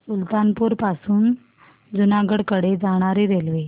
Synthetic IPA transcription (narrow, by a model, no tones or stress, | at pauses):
ult̪anpuɾpasuːn | d͡zunaɡəɽkəɽed͡zaɽ̃aɾeɾelʋe